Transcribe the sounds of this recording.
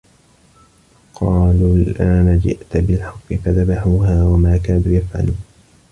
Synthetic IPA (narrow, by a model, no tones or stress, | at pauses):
qʰɑːluːlʔaːnad͡ʒɪ̰ʔt̪bɪlħɑqːɨfaðabaħuːɦaːwamaːkaːnuːjafʕa̰luːn